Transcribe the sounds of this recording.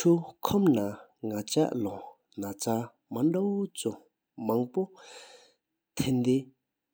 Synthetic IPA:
ʈ͡ʂʰukʰɔmna | ŋat͡ɕa̰ʔlɔ | nat͡sa | maɳɖ͡ʐawot͡su | maŋpo | t̪ʰend̪e

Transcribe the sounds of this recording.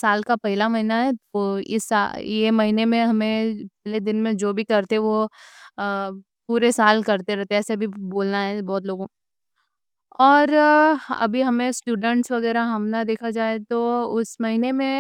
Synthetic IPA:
saːlkapɐɦɪlamɐɦinaɦɛt̪oɪ̰sajemɐɦinemẽɦɐmẽpɛɦled̪ɪnmẽd͡ʒoːbʱikɐɾt̪eɦɛ̃ʋo | puːɾesaːlkɐɾt̪eɾɛɦt̪eɛːsebʱiboːlnaɦɛbɔːt̪loːɡõ | ɔːɾɐ̰bʱiɦɐmẽsʈuːɖə̃ɳʈsʋɐɣɛːɾaɦɐmnad̪eːkʰad͡ʒaːet̪oʊsmɐɦinemẽ

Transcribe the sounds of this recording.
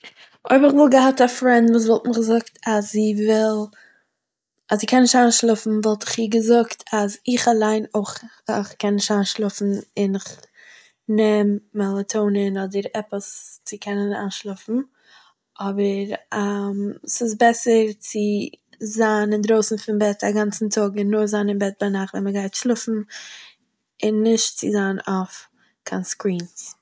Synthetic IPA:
oɪbɪχvɪlˠɡəhatafɾɛndvuːs̬vɔlˠtmɪχɡzʊktʰaszivɪlˠ | azziːkʰɛnɪʃtanʃlˠʊfn̩vɔlˠtɪ̥χiːɡəzʊktʰazɪχalˠaɪnoχ | χkɛnnɪʃtanʃlˠʊfn̩ɪnɪχ | nɛmːalˠətʰoʊnənɔdəɾɛpəst͡sɪkʰɛnəna̰nʃlˠʊfn̩ | ʔɔbəɾamsɪsbɛsəɾt͡sɪzaːnɪndɾoʊsn̩fɪnbɛtaɡant͡sn̩tʰʊɡɪnːʊɾzaːnɪnbɛt̚baɪnaχtvɛməɡaɪtʃlˠʊfn̩ | ɪnːɪʃtt͡sɪzaːnof | kʰanskɾiːns

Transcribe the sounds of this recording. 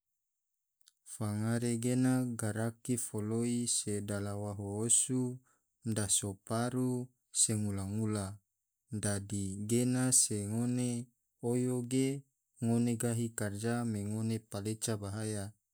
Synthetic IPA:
faŋaɾeɡenaɡaɾakifoloisedalawaɦoosu | dasopaɾu | seŋulaŋula | dadiɡenaseŋone | ojoɡe | ŋoneɡaɦikard͡ʒameŋonepalet͡ʃabaɦaja

